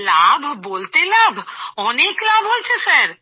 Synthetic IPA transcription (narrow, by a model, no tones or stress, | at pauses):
labʱbolt̪elabʱɔneklabʱɦojt͡ɕʰesaɾ